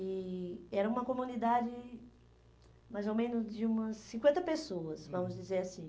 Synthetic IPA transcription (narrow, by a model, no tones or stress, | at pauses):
ɪɛɾɐũmɐkomũnid̪ad͡ʒɪ | majzowmẽnʊzd͡ʒɪũmɐsːĩkwẽnt̪ɐpesoɐsvɐ̃mʊzd͡ʒizeɾasĩ